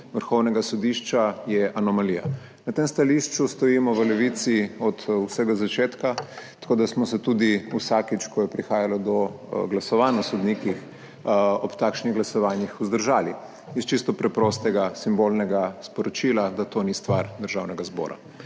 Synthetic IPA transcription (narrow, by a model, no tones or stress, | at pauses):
ʋəɾxɔwnɛɡasɔd̪iʃt͡ʃajɛʔanɔmalija̰ | nat̪emst̪aliʃt͡ʃust̪ɔjiːmɔʋəlɛʋit̪siɔt̪wsɛɡazat͡ʃeːt̪kat̪ɐ̥koːd̪asmɔsɛt̪uːd̪iusakit͡ʃkɔjɛpɾixaːjalɔd̪ɔ | ɡlasɔʋaːnasɔd̪nikix | ɔpt̪akʃniɣɡlasɔʋaːnjixuzd̪əɾʒaːli | ist͡ʃist̪ɔpɾɛpɾɔst̪ɛɡasimbolnɛɡaspɔɾɔt͡ʃilad̪at̪onist̪ʋaɾd̪əɾʒawnɛɡazbɔ̰ːɾa̰